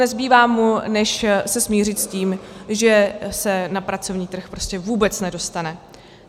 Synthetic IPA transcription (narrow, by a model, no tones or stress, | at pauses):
ɛzbiːvaːmunɛʃsɛsmɲiːr̝ɪt̪sciːmʒɛsɛnapɾat͡so̞vɲiːt̪r̩xpɾo̞scʲɛvuːbɛt͡snɛdo̞st̪anɛ